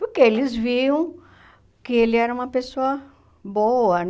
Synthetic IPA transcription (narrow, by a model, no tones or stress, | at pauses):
pʊɾkeelɪzviɐ̃w̃ | kɪelɪɛɾɐũmɐpesoɐ | boɐn